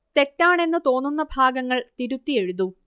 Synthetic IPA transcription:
t̪e̞tːaːɳe̞nːɨt̪o̞ːnːunːɐbʱaːɡɐŋːɐɭt̪iɾut̪ːije̞ɻuðu

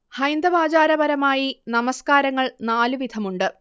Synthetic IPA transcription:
hɐjnd̪ɐʋaːd͡ʑaːɾɐbɐɾɐmaːjinɐmɐskaːɾɐŋːɐɭnaːlɨʋid̪ʰʱɐmuɳɖɨ

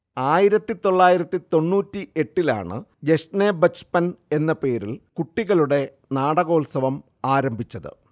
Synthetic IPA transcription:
aːjiɾɐt̪ːit̪o̞ɭːaːjiɾɐt̪ːit̪o̞nːuːtːiʔe̞ʈːila̰ːɳɨ̰d͡ʑeʂneːbɐt͡ɕpɐne̞nːɐpe̞ːɾilkuʈːiɣɐɭuɽe̞ | naːɽɐɣo̞ːlsɐʋɐm | aːɾɐmbʱit͡ɕːɐðɨ̰

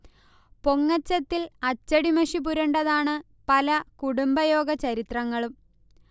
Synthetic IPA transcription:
po̞ŋːɐt͡ɕːɐt̪ːilɐt͡ɕːɐɽimɐʂip̬uɾɐɳɖɐðaːɳɨ | pɐlɐkuɽumbɐjo̞ːɡɐt͡ɕɐɾit̪rɐŋːɐɭum

